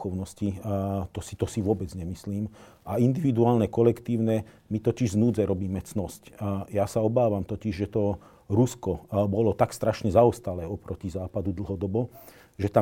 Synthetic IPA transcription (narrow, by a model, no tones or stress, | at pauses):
ɔʊnɔscit̪ɔsit̪ɔsiʋʊɔbɛd͡zɲɛmisliːm | aind̪iʋid̪uaːlnɛkɔlɛkt̪iːʊnɛ | mit̪ɔciʒznuːd͡zɛɾɔbiːmɛt͡snɔscjasaɔbaːʋamt̪ɔciʒʒɛt̪ɔ | ɾuskɔbɔlɔt̪akst̪ɾaʃɲɛzaɔst̪alɛːɔpɾɔcizaːpad̪ud̪l̩ɦɔd̪ɔbɔ | ʒɛt̪a